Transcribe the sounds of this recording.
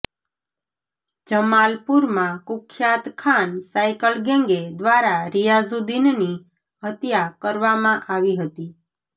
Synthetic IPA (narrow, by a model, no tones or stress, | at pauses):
d͡ʒəmalpuɾmãkʊkʰjat̪kʰansajkəlɡẽŋɡed̪ʋaɾaɾijazud̪inni | ɦət̪jakəɾʋamãʔaʋiɦət̪i